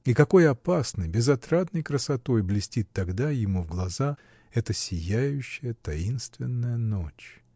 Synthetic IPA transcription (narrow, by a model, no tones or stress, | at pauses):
ikɐko̞jɐpasnɨjbʲɪzɐt̪ɾat̪nəjkɾəsɐt̪o̞jblʲɪsʲtʲit̪ːɐɡd̪ajɪmuvɡlˠɐza | ɛt̪əsʲɪjæjʉɕːɪjət̪ɐinst̪vʲɪnːəjənot͡ɕ